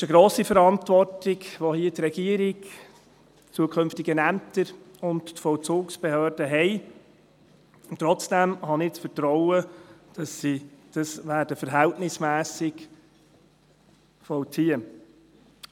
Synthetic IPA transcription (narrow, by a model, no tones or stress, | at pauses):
ɪʃəɡɾoːsifəɾɑntʋɔrtɪɡʋohiətɾɛɡ̥iəɾɪk | t͡suəkʰɵnftɪɡənæmtəɾʊnttfɔlt͡suːksb̥ɛhøːɾdəɦɛɪ | t̪ːɾɔt͡sd̥æmhɑnɪt͡sfəɾtɾɔʊəd̥ɑsːid̥ɑsʋæːɾd̥əfəɾɦɛltnɪsmæːsɪk | fɔwtʰiə